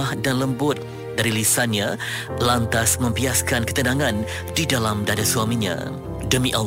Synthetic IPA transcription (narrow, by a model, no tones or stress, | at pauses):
ahdanləmbʊt̪̚ | daɾilisanɲã | lant̪asmə̃mbiaskankə̥t̪ənaŋãn | didalamdadasuamiɲã̰ | dəmiʔa